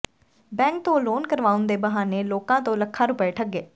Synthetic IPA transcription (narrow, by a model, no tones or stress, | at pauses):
bɛ̃ːŋk̚t̪õːloːnkəɾʋaːʊnd̪eːbəɦaːneːloːkãːt̪õːləkʰːaːɾʊpɛːʈʰəɡeː